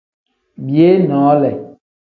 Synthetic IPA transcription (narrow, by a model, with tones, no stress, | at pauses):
bi˨˦e˦nɔ̃˨˦lɛ˨